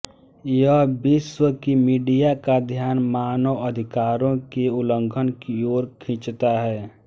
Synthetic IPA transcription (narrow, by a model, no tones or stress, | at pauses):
jəɦbɪʃwəkimiːɖijakad̪ʱjaːnmaːnəwəd̪ʱɪkaːɾõkeʊlə̃ŋɡʰʱənkioːɾkʰĩt͡ʃt̪aɦɛː